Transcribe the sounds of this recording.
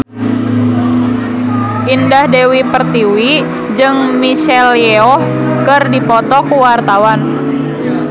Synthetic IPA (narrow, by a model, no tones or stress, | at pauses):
ʔindahdewipərt̪iwi | d͡ʒɨŋmiʃɛljɛɔh | kɨrdipɔt̪ɔkuwart̪awan